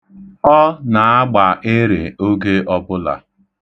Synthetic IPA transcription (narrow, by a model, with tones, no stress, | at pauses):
ɔ˦na˨a˦ɡ͡ba˨ʔe˦ɾe˨o˦ɡe˦ʔɔ˦bʊ˦la̰˨